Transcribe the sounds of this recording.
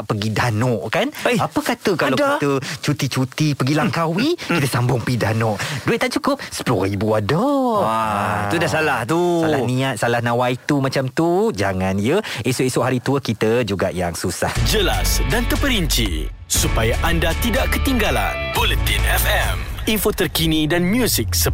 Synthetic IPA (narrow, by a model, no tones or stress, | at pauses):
pəɡidanɔʔkanapəkat̪əkalawdkit̪ət͡ʃut̪it͡ʃut̪ipəɡilaŋkawikkit̪əsambʊŋpidanɔʔduet̪t̪aʔt͡ʃukʊp̚sə̥plɔibuadəaiudasalaht̪usalahnĩat̪̚salahnãwait̪umãt͡ʃamt̪ud͡ʒaŋãnijəisʊʔisʊʔɦaɾit̪uəkit̪əd͡ʒuɡaʔjaŋsusa̰hd͡ʒəlasdant̪əpəɾiɲt͡ʃḭ | supajaʔandat̪idaʔkət̪iŋɡala̰nbolət̪inɛfɛm | infot̪ərkinĩdanmjusik̚sə